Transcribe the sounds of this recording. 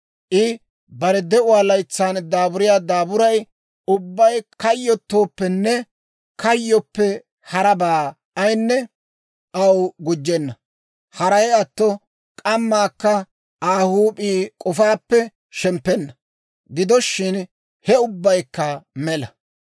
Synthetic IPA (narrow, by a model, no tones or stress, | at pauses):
ʔɪ | bɐɾɛd̪ɛʊwaːlɐjt͡sːaːnd̪aːbʊɾɪjaːd̪aːbʊɾɐj | ʊbːɐjkɐjːɔt̪ːo̞ːpːɛnːɛ | kɐjːɔpːɛ | hɐɾɐbaː | ɐjnːɛ | ʔɐwɡʊd͡ʒːɛnːɐ | hɐɾɐjɐt̪ːɔ | kʼɐmːaːkːɐ | aːhuːpʼiːkʼɔfaːpːɛ | ʃɛmpːɛnːɐ | ɡɪd̪ɔʃːɪn | hɛʊbːɐjkːɐmɛlɐ